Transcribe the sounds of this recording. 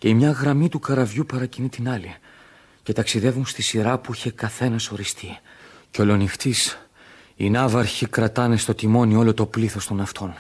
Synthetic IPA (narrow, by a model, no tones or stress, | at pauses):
ce̞imɲɐɣɾɐmit̪ukɐɾɐvʝupɐɾɐcinit̪inɐli | ce̞t̪ɐksiðe̞vunst̪isiɾɐpuiçe̞kɐθe̞nɐso̞ɾist̪iceo̞lo̞nixt̪is | inɐvɐɾçikɾɐt̪ɐne̞st̪o̞t̪imo̞nio̞lo̞t̪o̞pliθo̞st̪o̞nɐft̪ʰo̞n